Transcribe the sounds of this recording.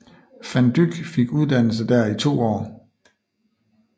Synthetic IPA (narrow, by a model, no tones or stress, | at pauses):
fænd̥yɡ̥fe̝ɡ̥uð̞ˠd̥æn̰l̩s̬əd̥æɐit͡sʰo̝̰ːɒ̰ː